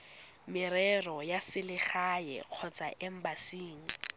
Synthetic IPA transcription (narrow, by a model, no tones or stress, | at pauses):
mɪɾɛrɔjasɪlɪχajɛ̰q͡χʰɔt͡sʼaʔɛm̩basiːŋ̩